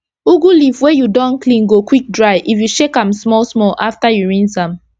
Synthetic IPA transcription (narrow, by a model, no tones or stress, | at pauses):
uɡulifwejudɔ̃nklĩnɡokwik̚dɹaɪʔifjuʃekãmsmɔlsmɔlʔaftajuɹĩnsãm